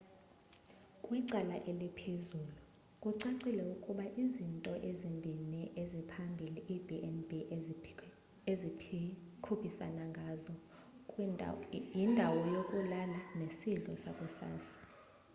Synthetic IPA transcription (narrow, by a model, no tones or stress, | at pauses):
kʼwiǀalaʔelipʰezuːlu | kʼuǀaǀilɛukʼuɓaʔizintʼɔʔezimbʱinɛʔezipʰambʱiliʔibiʔɛnbʱi | ezikʰupʰisa̰naŋɡʱazɔ | jindʱawɔjokʼulalanesiɮʼɔsakʼusa̰ːsḁ